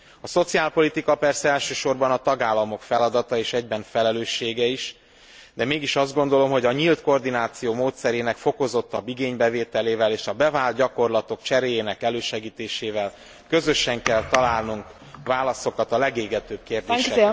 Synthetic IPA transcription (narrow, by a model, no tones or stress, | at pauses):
ɒso̞t̪siaːlpo̞lit̪ikɒpɛrsɛɛlʃøːʃo̞rbɒnɒt̪ɒɡaːlːɒmo̞kfɛlɒd̪ɒt̪ɒeːʃɛɟbɛnfɛlɛløːʃːeːɡɛiʃ | d̪ɛmeːɡiʃɒzd̪̚ɡo̞n̪d̪o̞lo̞mɦo̞ɟɒɲilt̪ko̞rd̪inaːt̪sijoːmoːt̪sɛɾeːnɛkfo̞ko̞zo̞t̪ːɒbːiɡeːɲbɛveːt̪ɛleːvɛleːʃɒbɛvaːlt̪̚ɟɒko̞rlɒt̪o̞kt͡ʃɛɾeːjeːnɛkɛløːʃɛɡiːt̪eːʃeːvɛl | kø̞zø̞ʃɛŋkɛlt̪ɒlaːlnuŋk | vaːlɒso̞kɒt̪ɒlɛɡeːɡɛt̪øb̥̚keːrd̪eːʃɛ